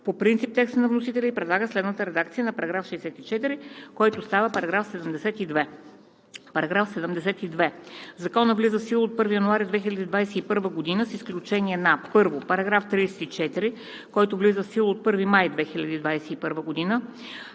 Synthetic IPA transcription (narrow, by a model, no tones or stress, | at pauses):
popɾint̪sip̚t̪ɛkst̪ənɐvnosit̪ɛlʲɛipɾɛd̪lˠaɡəslɛd̪nət̪əɾɛd̪akt̪sijənɐpɐɾɐɡɾafʃɛːsɛt̪it͡ʃɛt̪iɾikɔjt̪ost̪avəpɐɾɐɡɾafsɛd̪əmd̪ɛsɛt̪id̪vɛ | pɐɾɐɡɾafsɛd̪əmd̪ɛsɛt̪id̪vɛzɐkɔnəvlizəfsilˠoːt̪̚pɤɾvijɐnuaɾid̪vɛxilʲɐd̪iːd̪vajsɛipɤɾvəɡod̪inəsisklʲut͡ʃɛniɛnapɤɾvopɐɾɐɡɾaft̪ɾiɛsɛ̥t̪it͡ʃɛt̪iɾi | kɔjt̪ovlizəfsilˠot̪̚pɤɾvimajd̪vɛxilʲɐd̪iːd̪vajsɛipɤɾvəɡod̪inə